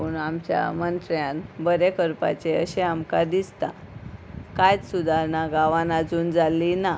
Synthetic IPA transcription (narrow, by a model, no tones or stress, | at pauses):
uɳamt͡ɕja̰mənt̪ɾjãnbəɾekəɾpa̰t͡ɕeə̰ɕeamkad̪ist̪a | kajt͡ssud̪ʱaɾnaɡaʋãnad͡zuːnd͡zalina